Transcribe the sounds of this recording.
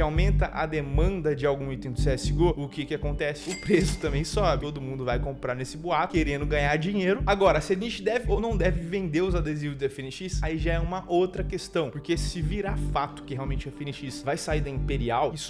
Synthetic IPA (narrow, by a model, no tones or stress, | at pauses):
kɪawmẽnt̪ɐʔɐd̪emɐ̃nd̪ɐd͡ʒɪawɡũit̪ẽd̪ʊseɛsɪɡoʊkɪkɪakõnt̪ɛsɪ̥ʊpɾesʊ̥t̪ɐ̃mbẽj̃sɔbɪt̪od̪ʊmũnd̪ʊvajkõmpɾaɾnesɪbuak̪ʊkeɾẽnd̪ʊɡɐ̃ɲaɾd͡ʒĩɲeɾʊaɡɔɾɐsɪaʒẽnt͡ʃɪd̪ɛvɪʔownɐ̃w̃d̪ɛvɪvẽnd̪eɾʊzad̪ezivʊzd͡ʒ̪ɛfiniʃisaiʒaɛũmɐʔowt̪ɾɐkest̪ɐ̃w̃poɾkesɪviɾafat̪ʊ̥kɪheawmẽnt͡ʃɛafiniʃisɐvajsaiɾd̪ɐĩpeɾiawisʊ̥